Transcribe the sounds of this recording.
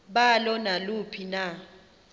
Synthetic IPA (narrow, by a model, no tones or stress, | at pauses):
ɓalɔnalupʰina